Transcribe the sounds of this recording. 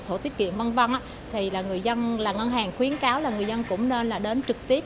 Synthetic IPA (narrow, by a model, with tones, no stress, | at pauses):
so˧˩t̪i˨˦˥ət̚kḭ˧˨ənvə˧nvə˧nʔaː˨˦˥ | t̪ʰi˨˩laː˨˩ŋɨ˨˩əjzə˧nlaː˨˩ŋə˧nɦaː˨˩ŋxwi˨˦ənkaː˨˦wlaː˨˩ŋɨ˨˩əjzə˧nkʊ̰˧˥ŋ͡mne˧nlaː˨˩ɗe˨˦nt͡ɕɨ˨˩k̚t̪i˦˥əp̚